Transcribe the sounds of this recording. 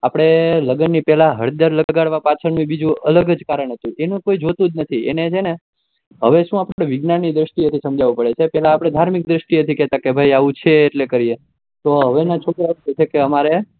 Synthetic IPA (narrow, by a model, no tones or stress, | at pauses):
apəɽ̃eləɡənːipɛɦlaɦəɽd̪əɾləɡaɽʋapat͡ʃʰəɳnũbid͡ʒũələɡəd͡ʒkaɾəɳ̃ɦət̪ũʔenũkoid͡ʒʱot̪ũd͡ʒnət̪ʰiḛnet͡ʃʰene | ɦəʋeʃũapɽeʋɪɡnanːid̪ɾəʃʈ̪iət̪ʰisəmd͡ʒaʋũpəɽet͡ʃʰepɛɦlaːpɽ̃ed̪ʱaɾmik̚d̪ɾəʃʈiət̪ʰikɛt̪ãkebʱajaʋũt͡ʃʰeːʈlekəɾie | t̪oɦəʋenat͡ʃʰokɾaet͡ʃʰekeəmaɾe